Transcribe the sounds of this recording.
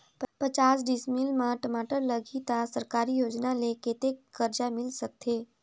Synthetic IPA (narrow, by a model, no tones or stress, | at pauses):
ppət͡ʃaːsɖɪsmɪlmãʈəmaːʈəɾləɡit̪asəɾkaːɾijoːd͡ʒnaleket̪ekkːəɾd͡ʒamɪlsɐk̚t̪ʰeː